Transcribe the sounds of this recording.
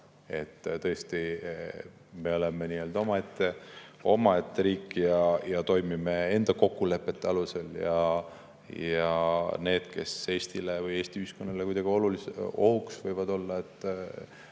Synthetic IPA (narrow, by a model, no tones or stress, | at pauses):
e̞t̪ːt̪ɤ̞est̪i | me̞o̞lemeniøːld̪̥o̞mɑe̞t̪ːeo̞mɑe̞t̪ːeɾiːkːijɑjɑt̪o̞jmimee̞nd̪̥ɑko̞kːule̞pːˑe̞t̪ːeɑluse̞ljɑ | jɑne̞ːd̪̥ke̞̰se̞ːst̪ilevɯje̞ːsʲt̪iyhisko̞nːɑlekujd̪ɑɡ̥io̞luliso̞huksvɤjvɑd̪o̞lːɑe̞t̪ˑː